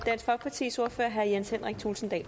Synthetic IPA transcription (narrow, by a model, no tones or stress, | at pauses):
d̥æn̰sfɒ̽ɡ̥̚pʰɑ̈t͡sʰḭːso̝ɐ̰føɐɦæɐjenshen̰ʁɛɡ̥̚t͡sʰuːlsn̩d̥ɛ̰ː